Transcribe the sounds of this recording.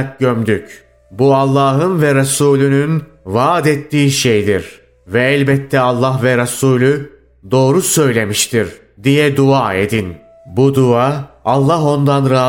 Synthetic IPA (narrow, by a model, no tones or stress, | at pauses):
k̚ɟømd̪yc | bualˠːaːɦɯnvɛɾasuːlʲynynvaːd̪et̪ːiːʃejd̪iɾ | vɛɛlʲbɛt̪ʰːɛalˠːaɦvɛɾasuːlʲy | d̪o̞ːɾusø̞jlʲe̞miʃt̪ʰiɾ | d̪ijɛd̪uaːe̞d̪in | bud̪uaalˠːaɦo̞nd̪anɾaː